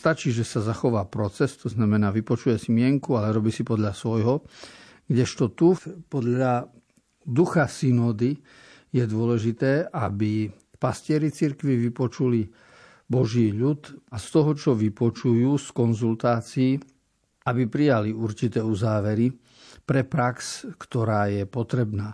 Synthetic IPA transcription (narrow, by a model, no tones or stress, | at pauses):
st̪at͡ʃiːʒɛsazaxɔʋaːpɾɔt͡sɛst̪ɔznamɛnaːʋipɔt͡ʃujɛsimɪɛŋkualɛɾɔbiːsipɔd̪ʎasʋɔjɦɔ | ɡɟɛʃt̪ɔt̪upɔd̪ʎʎa | d̪uxasinɔːd̪i | jɛd̪ʊɔlɛʒit̪ɛːʔabi | pascɪɛɾit͡siɾkʋiʋipɔt͡ʃuli | bɔʒiːʎut̪ast̪ɔɦɔt͡ʃɔʋipɔt͡ʃujuːskɔnzult̪aːt͡siː | abipɾijaliuɾt͡ʃit̪ɛːuzaːʋɛɾi | pɾɛpɾakskt̪ɔɾaːjɛpɔt̪ɾɛbnaː